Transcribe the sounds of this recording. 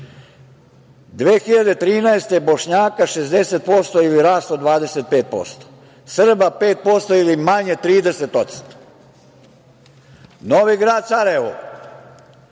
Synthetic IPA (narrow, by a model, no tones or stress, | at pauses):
d̪ʋeːxiʎad̪e̞t̪ɾiːnaest̪eboʃɲaːkaʃezd̪eset̪̚po̞st̪oiliɾaːst̪od̪ʋaːd̪e̞set̪̚peːt̪̚po̰st̪o̥ | sr̩bapeːt̪̚po̞st̪oilimaɲe̞t̪ɾiːd̪eset̪ot̪st̪o̥ | noʋiɡɾaːd̪saɾaeʋo̰